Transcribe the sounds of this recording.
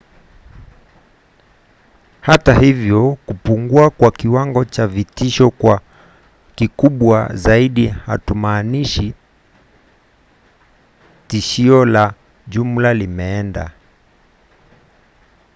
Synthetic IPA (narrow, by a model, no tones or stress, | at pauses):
hatahivjɔkupuŋɡuakwakiwaŋɡɔt͡ʃavitiʃɔkwa | kikuɓwa̰zaiɗiha̰tumaːniʃi | tiʃiɔla | ʄum̩lalimɛɛnda̰